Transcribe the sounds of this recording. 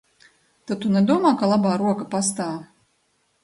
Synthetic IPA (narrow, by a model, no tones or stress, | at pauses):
t̪at̪unʲɛd̪uɔmaːkalˠabaːɾuɔkapas̬t̪aː